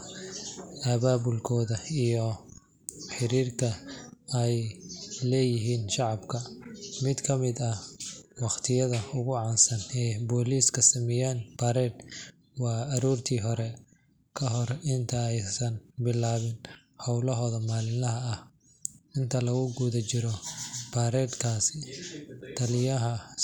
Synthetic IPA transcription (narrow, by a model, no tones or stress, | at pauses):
ɐβaːbʊlkʰɔːðɐijɔ | ħɪɾiːrkʰɐɛjlɛːjɪɦiːnʃɑʕɑbkʰɐmɪd̪kʰɐmɪd̪ɐhwɑqt̪ʰɪjɐðɐʊɣʊʕɑːnsɐnɛːbɔːliːskʰɐsɐmɪjaːnb̥aːɾɛːd̪ | wɑːɐɾuːrt̪ʰiːɦɔɾɛ | kʰɐɦɔrɪnt̪ʰɐɛjsɐnbɪlaːβɪn | hɔwlɐɦɔːðɐmaːlɪnlɐɦɐːh | ɪnt̪ʰɐlɐɣʊɡuːðɐt͡ʃɪɾɔb̥aːɾɛːd̪kʰaːsɪ | t̪ʰɐlɪjɐɦɐ